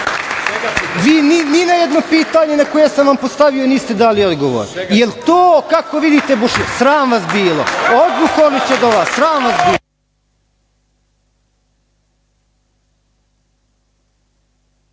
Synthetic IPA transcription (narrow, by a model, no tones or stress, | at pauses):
ʋiːnininajɛd̪nopiːt̪aːɲenakojesamʋampost̪aʋioniːst̪ed̪aːliod̪ɡoʋo̰ɾijelt̪oːkakoʋid̪it̪eboʃesɾaːmʋasbiːlo̰od̪luxoɾlit͡ɕed̪oʋasɾaːmʋasbiːo